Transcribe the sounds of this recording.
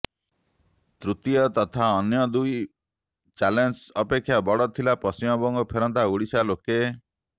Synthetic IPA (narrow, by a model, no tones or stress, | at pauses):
t̪ɾut̪ijɔt̪ɔt̪ʰaɔnjɔd̪uj | t͡ʃalensɔpekʰːjabɔɽɔt̪ʰilapɔsimɔbɔŋɡɔpʰeɾɔnt̪auɽisaloke